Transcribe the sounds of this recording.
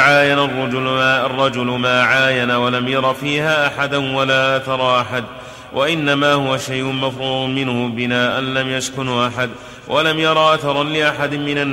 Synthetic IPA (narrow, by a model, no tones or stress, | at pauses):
ʕaːjanarˤːʊd͡ʒʊɑrˤːɑd͡ʒʊlʊmaːʕaːjanawalamjɑɾˤɑfiːhaːʔaħad̪anwalaːʔat̪ɑɾˤɑʔaħad̪ | wʔaʔɪnːamaːhʊwaʃajʔʊnmafɾuːdʊmmɪnhʊbɪnaːʔanlamjaskʊnʔaħad̪ | walamjɑɾˤɑʔaθɑɾˤɑnlɪʔaħad̪ɪmmɪnanː